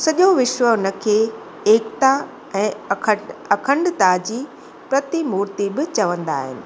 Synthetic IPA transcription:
sɐʄoʋɪʃwəʊnəkʰeː | eːkt̪a | ɛ̃ː | ɐkʰə̃ɳɖt̪ad͡ʑiː | pɾɐt̪imuːɾt̪ibɪt͡ɕɐʋə̃nd̪a̰ːɦɪ̰nɪ̆

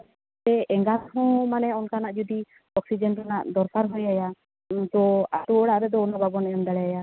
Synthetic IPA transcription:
t̪ɛɛŋɡathɔ̃manɛɔnkanaʔd͡ʒɔd̪i | ɔksid͡ʒɛnɾanaʔd̪ɔɾkaɾɦujaja | t̪ɔaʈuɔɽaʔɾɛd̪ɔːnabʱabɔnɛjɔmd̪aɽɛjaja

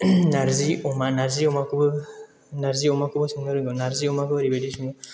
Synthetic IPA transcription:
naɾziɔmanaɾziɔmakɯbɯ | naɾziɔmakʰɯbɯsɯŋnɯɾɯŋɡɯnaɾziɔmakʰɯbɯɾibedisɯŋɡɔ

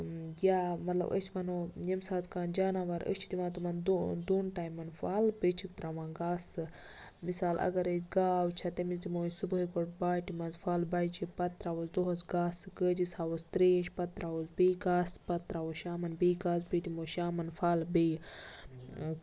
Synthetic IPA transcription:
jaːmɐt̪lɐ̰bʔə̰t͡ʃʰmɐnojɐmsaːt̪kaːnd͡ʒaːnaːʋɐɾə̰t͡ʃʰid̪imãːt̪umɐnd̪d̪uːnʈaːjimːɐnfaːlbət͡ʃʰikt̪ɾamãːɡaːsɨ | misaːlʔɐ̰ɡɐɾet͡ʃɡaːwt͡ʃʰɐt̪emizd̪imoːsubuɦikoʈbaːjʈimɐnzfaːlbaːjt͡ʃʰipɐt̪ɾawozd̪oɦɐzɡaːsɨkəːd͡ʒisaːwost̪ɾeːʃʲpɐt̪ɾawozbiːɡaːspɐt̪ɾaːwoʃaːmɐnbiːɡaːs̬bit̪imoːʃaːmɐnfaːlbij

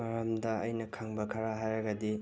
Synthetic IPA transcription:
ɐɾɐmdɐɐjnɐkʰaŋbɐkʰɐɾaɦajɾɐɡɐdi

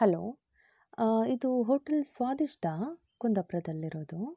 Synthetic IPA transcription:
hɐlo̰ː | id̪uɦoːʈɐlsʋaːd̪iʂʈʰɐ | kund̪ɐpɾɐd̪ɐlːiɾoːd̪u

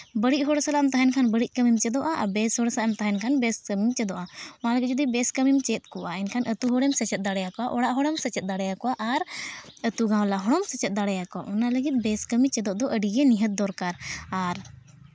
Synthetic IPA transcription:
bəɽic̚ˀɦɔɽsalaɛmt̪aɦɛnkʰanbəɽic̚ˀkəmimt͡ʃɛd̪ɔʔaʔa̰bɛshɔɽsaʔɛmt̪aɦɛnkʰanbɛskəmimt͡ʃɛd̪ɔʔaɔnaləɡid͡ʒɔd̪ibɛskəmimt͡ʃɛt̪̚kɔʔaɛnkʰanʔət̪uɦɔɽɛmsɛt͡ʃɛt̪̚d̪aɽɛjakɔaʔɔɽaʔɦɔɽɛmsət͡ʃɛt̪̚d̪aɽɛjakɔwaʔaɾət̪uɡãw̃laɦɔɽɔmsɛt͡ʃɛt̪̚d̪aɽɛjakɔa̰ʔɔnaləɡit̪̚ˀbɛskəmit͡ʃɛd̪ɔʔd̪ɔʔəɖiɡɛniɦət̪̚d̪ɔɾkaɾaɾ

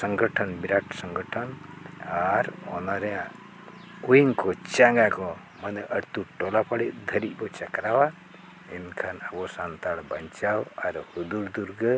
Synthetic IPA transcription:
səŋɡəʈʰɔnbiɾaʈsəŋɡəʈʰɔnaɾɔ̰naɾɛa | kujiŋkɔt͡ʃaŋɡakɔ | mənəʔəɾt̪uʈɔlapaɽiʔd̪ʱəɾit̪̚ˀbɔt͡ʃakɾawa | ɛnkʰanabɔsant̪aɽbəɲt͡ʃawaɾhud̪uɾd̪uɾɡə

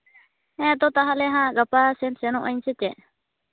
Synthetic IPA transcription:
ɛ̃d̪ɔt̪aɦalɛɦãɡapasɛnsɛnɔ̃ʔəɲsɛt͡ʃɛ

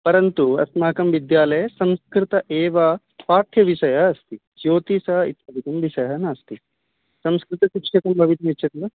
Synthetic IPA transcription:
pɐɾɐnt̪uɐ̰smaːkɐmʋid̪jaːlɐjɐsɐmskɾɪt̪ɐʔeːʋɐ | paːt̪ʰjɐʋiʃɐjɐɦɐst̪i | d͡ʒoːt̪isɐɦɐḭt̪ɐbit̪ɐmʋiʃɐjɐɦɐnaːst̪i | sɐmskɾɪt̪ɐsikʂɐk̪ɐmbʱɐʋit̪ɐmit͡ʃːʃʰɐt̪iɐ

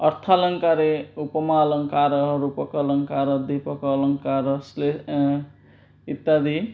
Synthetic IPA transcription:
ʌrt̪ʰalʌŋkaɾeupʌmalʌŋkaɾʌɦʌɾupʌkʌlʌŋkaɾʌd̪ipʌkʌlʌŋkaɾʌsle | it̪ːad̪i

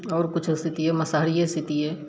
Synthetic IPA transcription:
ɔːɾkʊt͡ʃʰɪst̪ʰɪt̪ieməsaːɾijest̪ʰɪt̪ie

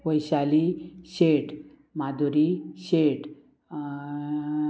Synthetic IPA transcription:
ʋəjɕaliɕeʈ | mad̪uɾiɕeʈ

